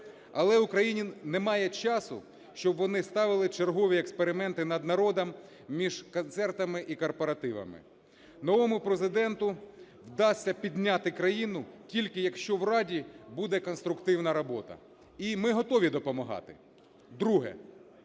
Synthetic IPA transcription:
ɐlˠɛʊkɾɐjinʲinɛmɑjɛt͡ʃɑsʊ̰ | ʃt͡ʃɔbʋɔnɪst̪ɑʋɪlˠɪt͡ʃerɦɔʋʲiɛkspeɾɪmɛnt̪ɪnɐd̪nɐɾɔd̪ɐm | mʲiʒkɔnt̪sɛrt̪ɐmɪʔikɔrpɔɾɐt̪ɪʋɐ̰mɪ̰ | nɔʋɔmʊpɾezɪd̪ɛnt̪ʊ | wd̪ɑsʲːɐpʲid̪ʲnʲɑt̪ɪkɾɐjinʊtʲilʲkɪjɐkʃt͡ʃɔwrɑdʲibud̪ɛkɔnst̪ɾʊkt̪ɪwnɐɾɔbɔt̪ɐ̰ | imɪɦɔt̪ɔʋʲid̪ɔpɔmɐɦɑ̰t̪ɪ | d̪ɾuɦɛ̰

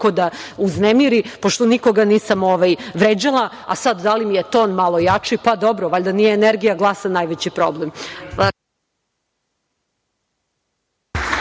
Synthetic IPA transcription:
kod̪auznemiɾipoʃt̪o̞niko̞ɡaniːsamoʋajʋɾed͡ʑalˠa | a̰sad̪d̪alimijet̪oːnmalˠojat͡ʂipad̪obɾoʋaʎd̪anijeːneɾɡijaɡlˠasanajʋet͡ɕipɾoblem

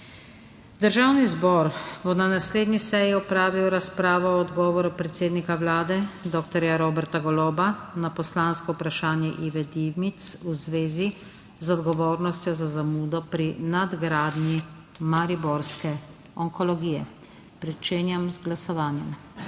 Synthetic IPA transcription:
d̪əɾʒaːwnizbɔːɾbɔnanasleːd̪nisɛjiɔpɾaːʋiwɾaspɾaːʋɔɔd̪ɡɔːʋɔɾupɾɛt̪seːd̪nikawlaːd̪ɛd̪ɔːkt̪ɔɾjaɾoːbɛɾt̪aɡɔloːbanapɔslaːnskɔupɾaʃaːnjɛʔiʋɛd̪iwmit̪suzʋeːzi | zɔd̪ɡɔʋoːɾnɔst̪jɔzazamuːd̪ɔpɾinad̪ɡɾaːd̪ni | maɾibɔɾskɛ | ɔŋkɔlɔɡiːjɛ | pɾɛt͡ʃeːnjamzɡlasɔʋaːnjɛm

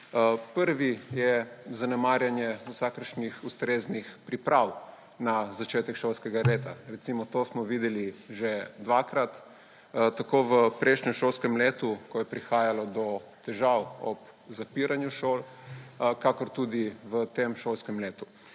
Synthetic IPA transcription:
pəɾʋijɛzanɛmaːɾjanjɛusakəɾʃnixust̪ɾeːznixpɾipɾaw | nazat͡ʃeːt̪ɛkʃolskɛɡaleːt̪aɾɛt̪simɔt̪osmɔʋiːd̪ɛliʒed̪ʋaːkɾat̪ | t̪akoʋəpɾʔɛʃɲɛmʃolskɛmleːt̪ukɔjɛpɾixaːjalɔd̪ɔt̪ɛʒawɔ̰p | zapiɾanjuʃol | kakɔɾt̪ud̪iʋət̪emʃolskɛmleːt̪u

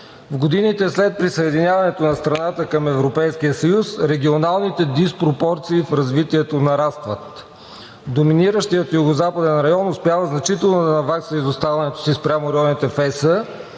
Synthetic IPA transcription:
vɡod̪init̪ɛslɛt̪̚pɾisɐɛd̪inʲjavɐnɛt̪onɐst̪ɾɐnat̪əkɐmɛvɾopɛjskijəsɐjusɾɛɡ̟ʲionalˠnit̪ɛd̪ispɾopɔɾt̪siːfɾɐzvit̪iɛt̪onɐɾast̪vət̪ | d̪ominiɾəʃt̪ijət̪juɡozapəd̪ɛnɾɐjɔnʊspʲjavəznɐt͡ʃit̪ɛlˠnod̪ɐnɐvaksəizost̪avɐnɛt̪o̥sispɾʲamoɾɛjɔnit̪ɛfɛsə

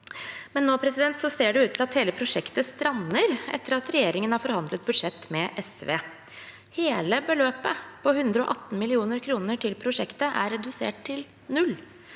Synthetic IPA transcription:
mɛnːoːpʰɾɛsɪd̪ɛnt̪sɔseːɖʉʉːt̪ʰlɑt̪heːləpʰɾʊʂɛkt̪əst̪ɾɑnːəɾʔɛ̰t̪ːəɾɑt̪ɾɛjeːɾɪŋənhɑːɾfɔɾhɑnd̪lət̪̚bʉd̪ʂɛt̪ːmɛʔɛsʋḛː | heːləbəløːpəpʰɔhʉnd̪ɾəo̰ʔɑt̪ːn̩mɪlɪuːnəɾkʰɾuːnəʈʰɪlpʰɾʊʂɛkt̪əʔæ̰ɾɛd̪ʉsḛːʈ̚t̪ʰɪl | nʉl

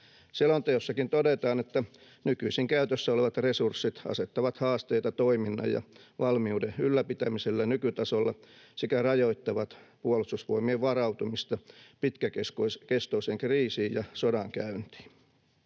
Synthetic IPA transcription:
selːont̪eosːɑkint̪odet̪ɑːnet̪ːæ | nykyisiŋkæyt̪øsːæoleʋɑt̪resursːit̪ɑ̰set̪ːɑʋɑt̪hɑːst̪eijt̪ɑt̪oiminːɑ̰jjɑ̰ʋɑlmiuːdeylːæpit̪æmiselːænykyt̪ɑsolːɑsikærɑjoit̪ːɑʋɑt̪puolust̪usʋoimieʋʋɑrɑwt̪umist̪ɑpit̪kækeskoskest̪oiseŋkriːsiːjjɑsodɑŋkæynt̪i̥ː

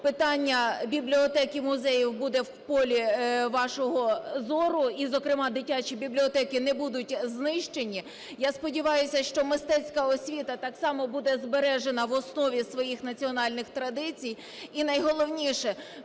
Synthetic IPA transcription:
pɪt̪ɑnʲːɐbʲiblʲiɔt̪ɛkʲimʊzɛjiwbud̪ɛwpɔlʲiʋɑʃɔɦɔzɔɾʊizɔkɾɪmɑd̪ɪtʲat͡ʃibʲiblʲiɔt̪ɛkʲɪnɛbud̪ʊtʲznɪʃt͡ʃenʲi | jɑspɔdʲiʋɑjʊsʲɐʃt͡ʃɔmɪst̪ɛt͡sʲkɐɔsʲʋʲit̪ɐt̪ɑksɑmɔbud̪ɛzbeɾɛʒenɐʋɔsnɔʋʲisʋɔjixnɐt͡sʲiɔnɑlʲnɪxt̪ɾɐd̪ɪt͡sʲij | inɐjɦɔlˠɔwnʲiʃɛ

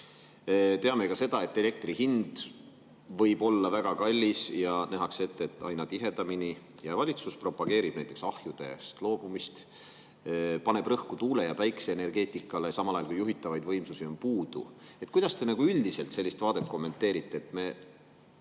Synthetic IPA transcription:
t̪e̞ɑme̞kɑse̞d̪̥ɑe̞t̪ːe̞le̞k̚t̪riɦind̪̥ | vɤjb̥o̞lːɑvæɡ̥ɑkɑlʲːisjɑnæɦɑkse̞t̪ːˑe̞t̪ːˑɑ̰jnɑt̪iɦe̞d̪̥ɑmini | jɑvɑlʲit̪suspro̞pːˑɑɡ̥e̞ːɾib̥næjt̪ːˑe̞ksɑhjud̪̥e̞st̪lo̞ːb̥umist̪ | pɑne̞b̥rɤhkut̪uːle̞jɑpæjkseːne̞rɡ̥e̞ːt̪ˑikːˑɑlesɑmɑlɑjɑlkujuɦit̪ːˑɑvɑjd̪vɤjmsusio̞mpuːd̪̥ṵet̪̚ːˑkujd̥̪ɑst̪e̞nɑɡ̥uyld̪ise̞lt̪se̞lʲːist̪v̥ɑːd̪e̞t̪̚ko̞mːe̞nt̪ːˑe̞ːɾit̪ːe̞ːt̪ːˑme̞

